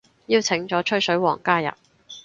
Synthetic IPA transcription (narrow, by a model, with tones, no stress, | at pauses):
jiː˧wt͡sʰɪ˨˥ŋt͡ʃɔː˨˥t͡ʃʰɵ˥sɵ˨˥ɥwɔ̰ː˨˩ŋkaː˥jɐ̰˨p̚